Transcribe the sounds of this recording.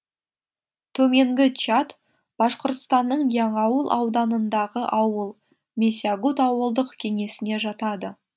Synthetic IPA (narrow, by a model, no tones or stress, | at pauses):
t̪ʰɵme̞ŋɡʲɪt͡ʃat̪ | b̥ɑsqoɾt̪ə̥st̪ɑnːəɴjɑɴɑwəlˠʔɑ̰wd̪ɑnənd̪ɑʁəʔɑwəlˠ | mʲesʲiaɡut̪ɑwəlˠd̪əqkʲʰe̞ŋe̞sɪne̞ʒɑt̪ɑd̪ə